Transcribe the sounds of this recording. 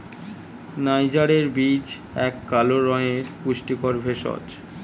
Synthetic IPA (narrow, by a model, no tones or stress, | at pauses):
najd͡ʑaɾeɾbid͡ʑ | ɛkːaloɾɔjeɾkuʃʈikoɾbʱeʃɔ̰t͡ɕ